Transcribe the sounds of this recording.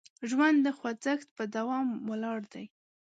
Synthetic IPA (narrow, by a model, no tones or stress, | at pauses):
ʒwand̪ːəxwad͡zəxt̪̚pəd̪awɑmwəlɑɽd̪aj